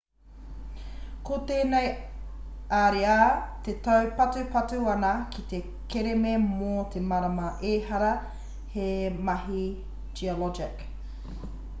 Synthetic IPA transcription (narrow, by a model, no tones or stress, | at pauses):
kot̪eːnej | aːɾeat̪et̪ɐwpɐtupɐtuɐnɐkʰit̪e | keɾememot̪ʰemɐɾɐmɐʔeːhɐɾɐ | hemɐɦi | d͡ʒiolɔd͡ʒɪk